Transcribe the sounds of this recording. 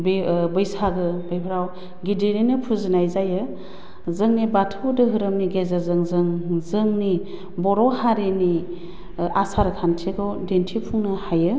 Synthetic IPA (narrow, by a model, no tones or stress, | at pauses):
bbɯjsaɡɯbɯjpʰɾaw | ɡideninɯpʰuzɯnajzajɯ | zɯŋnibatʰɯwdɯɦɯɾɯmniɡezazɯŋzɯŋzɯŋni | bɔɾɔhaɾeni | asaɾɯkʰantʰiɡɯwdentʰipʰuŋnɯhajɯ